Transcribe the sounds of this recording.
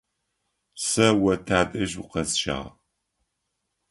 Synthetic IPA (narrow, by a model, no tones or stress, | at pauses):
sɐwɐtʰaːdʼɐʒʊqɐzʃa̰ːʁ